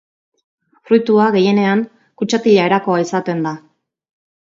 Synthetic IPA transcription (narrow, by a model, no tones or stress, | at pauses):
frujt̪uaɣe̞je̞ne̞aŋ | kut͡ʃat̪iʎae̞ɾako̞aisat̪e̞nd̪a